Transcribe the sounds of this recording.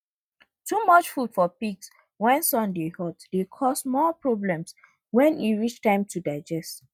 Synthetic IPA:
tumʌt͡ʃfud̥fɔpiɡs | wɛ̃nsɔ̃ndehɔtd̥ekʰɔsmɔpɹɔblɛ̃ms | wɛ̃niɹit͡ʃtãɪ̃mtʰudaɪd͡ʒɛst

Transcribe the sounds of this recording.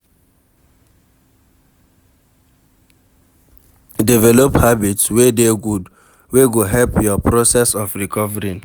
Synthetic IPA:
divɛlɔphabitswedeɡud | weɡuɦɛpjɔpɹosɛsɔfɹikʰɔvɛɹĩŋ

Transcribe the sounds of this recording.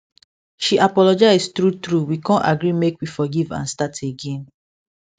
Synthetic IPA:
ʃiʔapɔlɔd͡ʒaɪstɹutɹuwikɔ̃nta̰ɡɾimekwifɔɡivã̰nstatʰeɡẽn

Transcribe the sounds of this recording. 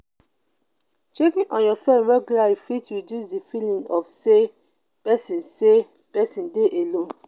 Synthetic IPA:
t͡ʃekĩnʔɔ̃njɔfɛ̃nɹɛɡulaɹifituɹidjusdifilĩŋɔfse | pɛsĩnse | pɛsĩndeʔelõn

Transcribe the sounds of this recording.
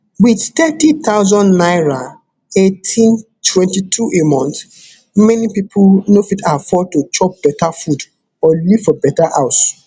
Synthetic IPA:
widtɛtitaʊzɔ̃ndnaɪɹa | etʰĩn | tʰwɛ̃ntitʰuʔemɔ̃nt | mɛnipipʰunofitafɔd̚tot͡ʃɔp̚b̥ɛtafud | ɔlifbɛtaʔaʊs

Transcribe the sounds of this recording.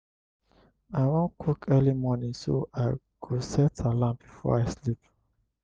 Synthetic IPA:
aɪwõnkʰukʰɜlimɔnĩŋso̰ʔaɪɡosɛtalãp̚bifɔ̰aɪslip

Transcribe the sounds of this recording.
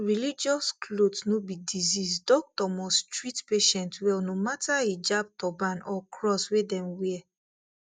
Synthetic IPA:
ɹilid͡ʒɔskʰlodsnobidizizdɔk̚tɔmɔstɹitpeʃɛ̃ntwɛlnomatʰaed͡ʒab̚tɔbãnɔkɹɔswedɛ̃mwɛɛ

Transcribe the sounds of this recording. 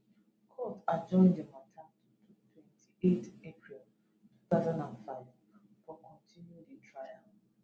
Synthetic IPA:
kʰɔtad͡ʒɔ̃ɪ̃ndematʰatutʰutʰwɛ̃ntʰietepʰɹil | tu̥θaʊzãndãnfaɪv | fɔkʰɔ̃ntʰĩnjudetʰɹajal

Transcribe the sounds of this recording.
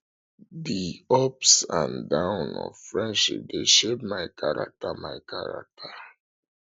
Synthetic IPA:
diɔpsãndãʊnɔ̰fɹɛ̃nʃḭp̚deʃep̚majkʰaɹʔa̰k̚tamajkaɹa̰k̚tʰa

